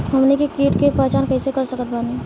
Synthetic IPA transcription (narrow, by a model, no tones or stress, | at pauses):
ɦəmnekekiːʈkepaːt͡ʃaːnkəɪsekəɾsəkət̪̚baːni